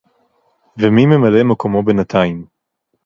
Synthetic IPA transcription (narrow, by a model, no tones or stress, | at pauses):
vemimemalemeko̞mo̞benat̪ʰaim